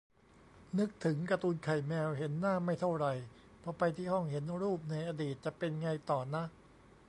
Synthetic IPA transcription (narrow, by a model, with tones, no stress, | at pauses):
nɯ˦˥k̚t̪ʰɯ˩˦ŋkɾa˧t̪uː˧nkʰa˨˩jmɛː˧wɦe˩˦nːaː˥˩ma˥˩jt̪ʰa˥˩wɾa˧j | pʰɔ˧˩pa˧jt̪ʰiː˥˩hɔ˥˩ŋhe˩˦nɾuː˥˩p̚na˧jʔaː˧diː˨˩t̪̚t͡ɕa˨˩pe˧nŋa˧jt̪ɔː˨˩na˦˥ʔ